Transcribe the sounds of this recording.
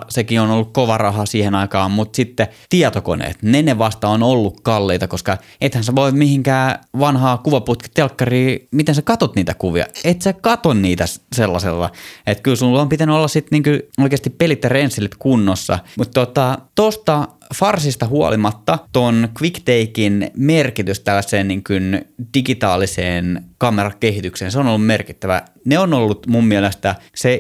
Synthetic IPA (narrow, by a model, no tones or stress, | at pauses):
sekionolːukkoʋɑrɑhɑsiːhenɑikɑːmmut̪sit̪ːet̪iɛt̪oko̰nḛːt̪neneʋɑst̪ɑonolːukkɑlːeit̪ɑkoskɑ | et̪hænseʋoimmihiŋkæːʋɑnhɑːkuʋɑput̪̚ki̥t̪elkːɑriːmit̪ensekɑt̪ot̪niːt̪ækuʋiɑ̰et̪sekɑt̪onniːt̪æsselːɑsḛlːɑ̰et̪kylsulːompit̪ænyolːɑssit̪niːŋkyoikeːˑɑst̪ippelit̪jɑrensːelit̪kunːosːɑ̰mut̪tot̪ɑt̪ost̪ɑ | fɑrsist̪ɑhuɑ̰limɑt̪ːɑt̪onkʋikt̪eikinmerkit̪yst̪ælːæsˑeːnniŋkynd̥iɡit̪ɑːliseːnkɑmerɑkkehit̪ykseːnseonolːummerki̥t̪ːæʋæ̰ | neonolːut̪mummiælest̪æse